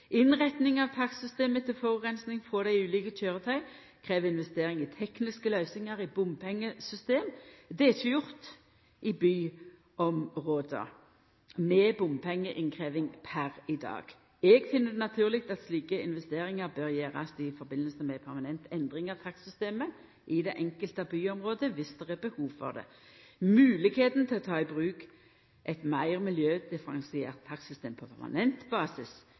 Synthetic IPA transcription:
ʔɪnʁɛt̪nɪŋɑʋt̪ʰɑksʏst̪eːmət̪ʰɪlfɔʁʉkʁɛnsnɪŋfʁɔd̪æɪʉːliːkəc͡çøːʁət̪ʰœʏ | kʰʁeːʋəɪnʋɛst̪eːɾɪŋɪt̪ʰɛknɪskəlœʏsɪŋɑʁɪbʊmpʰɛŋːəsʏst̪eːmd̪ɛɛçəjʊʁt̪ | ʔɪbyː | ɔmʁoːd̪ə̰ | mɛbʊmpʰɛŋːəʔɪŋkʰʁeːʋɪŋpʰæʁɪd̪ɑ̰ːɡ̥ | ɛɡfɪnːəd̪ɛnɑt̪ʰʉːʁlɪk̚t̪ɑt̪sliːkəɪnʋɛst̪eːɾɪŋəʁbœʁjeːʁɑ̰sɪfɔɾbɪnːəlsəmɛpʰæʁmɑnɛnt̪ɛnd̪ʁɪŋɑt̪ʰɑksʏst̪eːmə | ʔɪd̪ɛʔɛŋkəlt̪əɑbyːɔmʁoːd̪əʋɪsd̪̥ɛʁɛbəhuːʋfɔ̰ʁd̪ɛ̰ | mʉːlɪkheːt̪n̩t̪ʰɪlɔt̪ʰɑːɪbʁʉːk | ʔɛɪt̪mæɪʁmɪljøːd̪̥ɪfəɾɑŋsɪeːʁt̪ʰːɑksʏst̪eːmpʰɔpʰæ̰ʁmɑ̰nɛnt̪bɑːsɪs

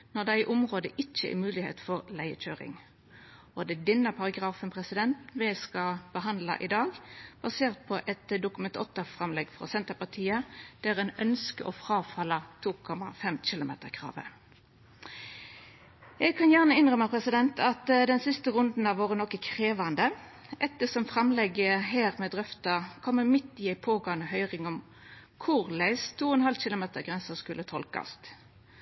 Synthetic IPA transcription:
nɔʁd̪æɪʔʊmʁoːd̪əʔɪt͡ʃːə̰ʔɪ̰mʉːlɪhḛːt̪fɔʁlæɪəc͡çøːʁɪ̰ŋ | ɔd̪ɛd̪ɪnːəpʰɑʁɑɡʁɑːfənpʰʁɛsɪd̪ɛnt̪ʋɛskɑb̥əɦɑnd̪lɑ̰ʔɪd̪ɑːɡb̥ɑseːʁt̪̚pʰɔʔɛt̪d̪ʊkʉmɛnt̪ɔt̪əfʁɑmlɛɡfʁɔ̰sɛnt̪əpɑt̪ʰiːəd̪̥æʁɛnœnskəʔɔfʁɑːfɑlɑt̪ʰuːkʰɔmɑ̰fɛmt͡ʃɪlʊmḛːt̪əʁkʰʁɑ̰ːʋə̰ | ɛɡ̚kʰɑnjæʁnəɪnʁœməpʰʁɛsɪd̪ɛnt̪ʰɑt̪d̪ɛnsɪst̪əʁʉnd̪n̩ɑʋoːʁənɔkːəkʰʁeːʋɑnd̪ə | ʔɛt̪ːəsɔmfʁɑmlɛɡəɦeːʁmɛd̪ʁœft̪ɑkʰɔmːəmɪt̪ːɪæɪpʰoːɡɑːnəɦœʏʁɪŋɔm | kʰʊʁlæɪst̪ʰuːɔɛnhɑlɕɪlʊmeːt̪əʁɡʁɛnsəskʉlːət̪ʰɔlkɑ̰st̪

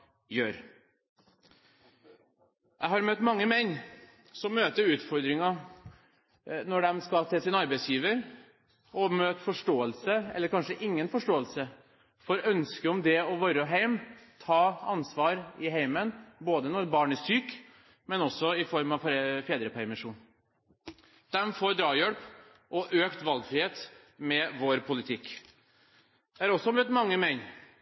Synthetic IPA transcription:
jøːɾ | jʔæɪhɑɾmœt̪ːmɑŋːəmɛnː | sɔmːøːt̪əɾʉːt̪fɔɾd̪ɾɪŋɑ | nɔɖɛmskɑt̪ʰɪsɪnɑɾbɛɪsjiːʋəɾ | ʔɔmøːt̪fɔʂʈoːəlsəɛ̰lːəɾkʰɑnʂəʔɪŋːənfɔʂʈoːəlsə | fɔɾœnskəɔmd̪ɛɔʋɑɾəɔɦæɪmt̪ʰɑːɑnsʋɑːɾɪɦæɪmənboːd̪ənɔɾbɑːɳəsyːk | mɛnɔsːɔɪfɔɾmɑʋffeːd̪ɾəpʰæɾmɪʂuːn | d̪̥ɛmfoːɾɖ̪ɾɑːjœlp | ʔɔʔøːkt̪ʋɑlɡfɾɪheːt̪ | mɛʋoːɾpʰʊlɪt̪ʰɪkː | d̪̥ɛæɾɔsːɔmøːt̪mɑŋːəmɛɪn

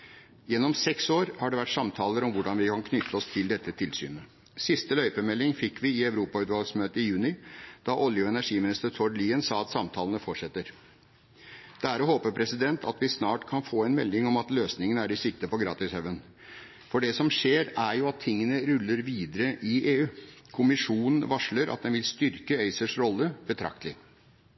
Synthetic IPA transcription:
jɛnːɔmsɛksoːɾhɑɖɛʋæʈsɑmt̪ʰɑːləɾɔmʋʊɖɑnʋɪkʰɑnkʰnʏt̪ʰːəɔst̪ʰɪld̪ɛt̪ːət̪ʰɪlsy̰ːnə | sɪst̪əlœʏpəmɛlːɪŋfɪkʰːʋɪɪæʉɾuːpɑʉːt̪ʋɑlɡsmøːt̪əɪjʉːnɪd̪̥ɑʔɔljʊɛnæʂiːmɪnɪst̪əɾt̪ʰɔɖliːənsɑːɑt̪sɑmt̪ʰɑːlənəfɔʈʂɛt̪ːəɾ | d̪̥æɾhoːpəɾpʰɾɛsɪd̪ɛnt̪ʰɑt̪ʋɪsnɑːʈkʰɑnfoːɛnmɛlːɪŋɔmɑt̪løːsnɪŋənəæɾɪsɪk̚t̪əpɔɡɾɑ̰ːt̪ɪshɛʋən | fɔɖɛsɔmʂeːɾæɾjʊɑt̪ʰːɪŋːənəɾʉlːəɾʋiːd̪əɾəʔɪʔeːʉː | kʰʊmɪʂuːnən̩ʋɑʂɭəɾʔɑ̰t̪̚d̪ɛnʋɪlst̪ʏɾkəeɪsəʂɾɔlːəbət̪ʰɾɑ̰k̚t̪əlɪ

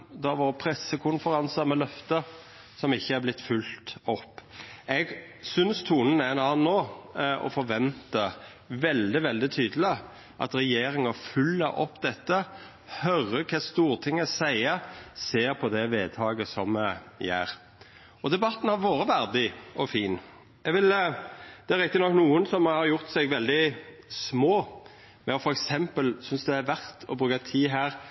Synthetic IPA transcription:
d̪ɑʋoːɾəpʰɾɛsːəkʰʊnfəɾɑnsəɾmɛlœft̪ə | sɔmɪçːəæɾblɪt̪ːfʉlt̪ɔpːɛɡsʏnst̪ʰuːnənæɛnɑːnːoːɔ̰fɔɾʋɛnt̪ə | ʋɛld̪ɪʋɛld̪ɪt̪ʰyːd̪əl̩ɪ | ʔɑ̰t̪ɾɛjeːɾɪŋɑfʉlːəɾʔɔ̰pːd̪ɛt̪ːə | hœɾəkʰɑːst̪uːɾt̪ʰɪŋːəsæɪəseːɾpʰɔd̪ɛʋeːd̪̚t̪ʰɑːɡəsɔmjæ̰ːɾ | ɔd̪ɛbɑt̪n̩hɑɾʋoːɾəʋæɾd̪ɪɔfiːn | jɛɡʋɪld̪̥ɛæɾɪk̚t̪ɪnɔkːnuːənsɔmhɑɾjʊɾt̪sɛɡʋɛld̪ɪ | smoː | mɛɔfɔɾɛksɛmpəlsʏnsd̪ɛæɾʋæɾt̪ʰɔbɾʉːkɑt̪ʰiːɦæːɾ

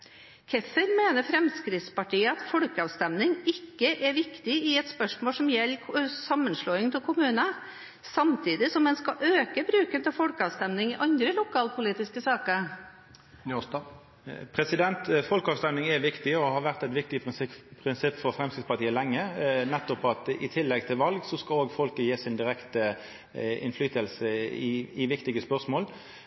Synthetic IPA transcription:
kʰɛfəɾmeːnəfɾɛmskɾɪt̪spɑʈʰiːəɑt̪fɔlkəɑːʋst̪ɛmnɪŋɪkːəʔɛɾʋɪkt̪ɪɪɛt̪spœʂmoːlsɔmjɛlːksɑmːənʂɭoːɪŋt̪ʰɪlkʰʊmʉːnə | sɑmt̪ʰiːd̪ɪsɔmːɛnskɑʔøːkəbɾʉːkənt̪ʰɪlfɔlkəɑːʋst̪ɛmnɪŋɪʔɑnd̪ɾəlʊkʰɑːlpʰʊliːt̪ɪskəsɑːkəɾ | pʰɾɛsɪd̪ɛnt̪fɔlkɑːʋst̪ɛmnɪŋɛʋɪkt̪ɪɔhɑɾʋæʁt̪ɛt̪ʋɪk̚t̪ɪpʰʁɪnsɪpːfɔɾfɾɛmskɪt̪spɑʁt̪iːəlɛŋːənɛt̪ːɔpɑt̪ɪ̰t̪ʰɪlːɛɡ̚t̪ʰɪlʋɑlɡsɔskɑloːɡfɔlkəjeːsɪnd̪ɪʁɛkt̪ə | ɪ̰nflyːt̪əlsəɪɪʋɪkt̪ɪɡəspœʁʂmoːl

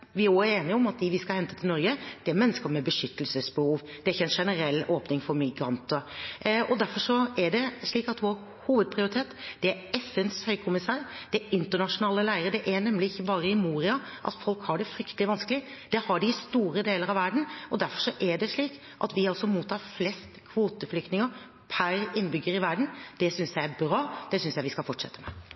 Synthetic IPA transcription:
ʋɪoːæɾeːnɪəɔmɑt̪̚d̪ɪʋɪskɑhɛnt̪ət̪ʰɪlnɔɾɡəd̪̥ɛæɾmɛnːəskəmɛbəʂʏt̪ːəlsəsbəhuːʋd̪̥ɛɾɪçːəɛnʂɛnəɾɛlːoːpnɪŋfɔɾmɪɡɾɑnt̪əɔd̪æɾfɔʂɔæɖɛʂɭiːkɑt̪ʋoɾ | huːʋəd̪̚pʰɾɪʊɾɪt̪ʰeːt̪d̪̥ɛæɾɛfːənshœʏkʰʊmɪsɑːɾd̪̥ɛɪnt̪əɳɑʂʊnɑːləlæɪəɾəd̪ɛʔæɾnɛmlɪɪçːəbɑːɾəɪmuːɾɪɑʔɑ̰t̪fɔlkhɑɖɛfɾʏkt̪əlɪʋɑnskəlɪd̪̥ɛhɑɖɪst̪uːɾəd̪eːləɾɑʋæɖɳ̩ɔd̪æɾfɔʂɔʔɛɖɛʂɭiːk | ʔɑ̰t̪ʋɪɑlsɔmuːt̪ʰːɑːɾflɛst̪kʰʋuːt̪əflʏk̚t̪nɪŋəɾ | pʰæɾɪnːbʏɡːəɾɪʋæɾɖɳ̩d̪̥ɛsʏnsjæɪæɾbɾɑːd̪̥ɛsʏnsjæɪʋɪskɑlfɔʈʂɛ̰t̪ːəmɛ̰

